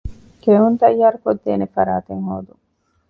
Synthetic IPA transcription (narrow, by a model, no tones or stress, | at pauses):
keunt̪ɐjːaːɾukod̪ːeːnefɐɾaːt̪eŋhoːd̪uŋ